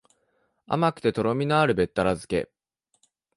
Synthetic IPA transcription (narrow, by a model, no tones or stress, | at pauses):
a̰makɯ̟̥t̪e̞t̪o̞ɾo̞mʲinaaɾɯ̟be̞t̪ːaɾazɨke̞̰